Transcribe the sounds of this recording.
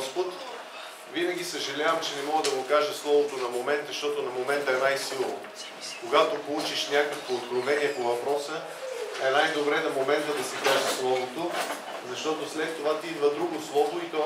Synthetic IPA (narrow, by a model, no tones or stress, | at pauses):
spot̪ | vinɐɡʲisəʒɐlʲavəmt͡ʃɛnɛmɔɡəd̪ɐɡokaʒəslˠɔvot̪onɐmomɛnt̪zɐʃt̪ɔt̪onɐmomɛnt̪əɛnajsilˠo | koɡat̪opolˠut͡ʃiʃnʲakəkvood̪ɡɾovɛniɛpovɐpɾɔsə | ɛnajd̪obɾɛnɐmomɛnt̪əd̪ɐsikaʒəslˠɔvot̪o | zɐʃt̪ɔt̪oslɛt̪ːovat̪id̪vəd̪ɾuɡoslˠɔvoit̪ɔ